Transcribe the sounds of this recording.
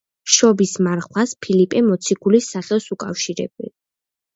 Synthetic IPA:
ʃɔbismaɾχwaspʰilipʼɛmɔt̪sʰiɡulisːaχɛsukʼafʃiɾɛ̰bḭl

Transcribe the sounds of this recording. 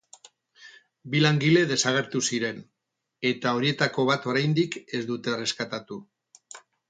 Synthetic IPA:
bilaŋɡile̞ð̞e̞saɣ̞e̞ɾt̪usiɾe̞n | e̞t̪ao̞ɾie̞t̪ako̞β̞at̪o̞ɾajnd̪ike̞zd̪ut̪e̞re̞skat̪at̪u

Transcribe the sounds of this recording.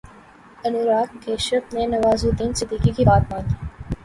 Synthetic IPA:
ɐnuːɾaːkkeːʃəfnẽnɐʋaːzud̪iːnsɪd̪iːkikibaːt̪mãːnd̪iː

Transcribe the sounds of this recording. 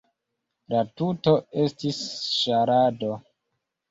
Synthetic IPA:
latuto̞e̞stisʃaɾado̞

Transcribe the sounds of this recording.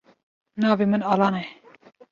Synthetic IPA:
nɑːvimɨnɑːlɑːnɛ

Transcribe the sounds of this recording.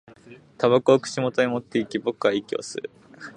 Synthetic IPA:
t̪aβakɯoːkɯ̥ɕimo̞t̪oimot̪ːeikʲibokɯaikʲio̰sɨ̰ɾɯ̟

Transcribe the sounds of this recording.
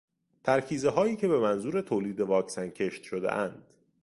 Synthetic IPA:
t̪ʰæɾcʰiːzeɦɒːjiːcʰe̞be̞mænzuːɾe̞t̪ʰoːliːd̪e̞vɒːcsæncʰeʃt̪ʃod̪ḛʔænd̪̥

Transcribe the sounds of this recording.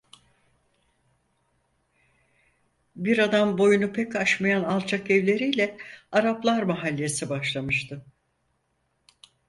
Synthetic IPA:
biɾad̪ambo̞junupʰɛkaʃmajanalˠt͡ʃʰakɛvlʲe̞ɾijlʲɛaɾaplˠaɾmaɦalʲːe̞sibaʃlˠamɯʃt̪ʰɯ

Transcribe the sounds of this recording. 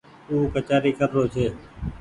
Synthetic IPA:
uːkət͡ʃaːɾiːkəɾːoːt͡ʃʰeː

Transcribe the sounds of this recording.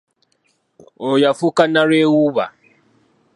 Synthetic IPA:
ʊjafukanaɾewuβa̰

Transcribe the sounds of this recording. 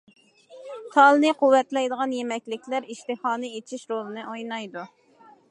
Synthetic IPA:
t̪ʰɑlˠnɨqʰuwːɛt̪lɛjd̪əʁɑnjemɛkʲlɪkʲlæɾiʃt̪ɨhɑːnɨet͡ʃʰiʃɾolˠɨnɨʔojnɑjd̪u

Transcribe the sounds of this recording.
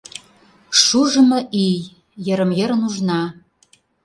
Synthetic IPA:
ʃuʒə̆mɤ̆ʔij | jə̆ɾə̆mjə̆ɾə̆nuʒnɑ

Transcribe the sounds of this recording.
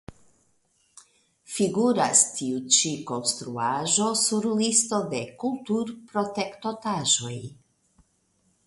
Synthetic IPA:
fiɡuɾastʰiut͡ʃiko̞nst̪ɾuaʒo̞suɾlisto̞de̞kultuɾpɾo̞te̞kto̞taʒo̞j

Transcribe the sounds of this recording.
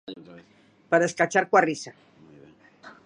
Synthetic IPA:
paɾaeskat͡ʃaɾkwarisa

